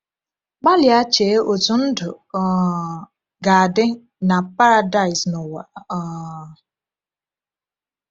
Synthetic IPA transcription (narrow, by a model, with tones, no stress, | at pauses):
k͡pa˦lja˦t͡ʃeː˨˦ʔo˨tu˨n̩˦dʊ˨ | ɡa˨a˨dɪ˦ | na˨pa˦ɾa˨da˦˨ɪ˨snʊ˨wa˨